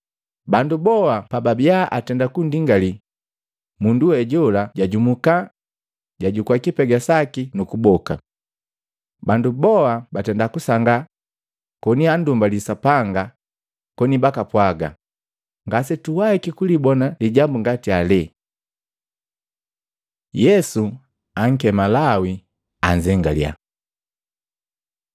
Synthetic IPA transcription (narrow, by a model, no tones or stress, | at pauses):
bandubɔapababiaʔatɛndakundiŋɡali | munduwɛɟɔlaɟaɟumuka | ɟaɟukuakipɛɡasakinukubɔka̰ | bandubɔabatɛndakusaŋɡa | kɔniandumbalisapaŋɡa | kɔnibakapwaɡa | ŋɡasɛtuwaikikulibɔnaliɟambuŋɡatialɛ | jɛsu | aŋ̩kɛmalawi | aɲd͡ʒɛŋɡalja̰